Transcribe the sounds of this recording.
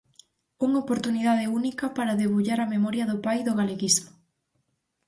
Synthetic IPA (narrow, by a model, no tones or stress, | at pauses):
uŋopoɾt̪uniðaðɪunikɐpaɾɐðeβuʎaɾɐmemɔɾjɐðʊpajðʊɣaleɣizmʊ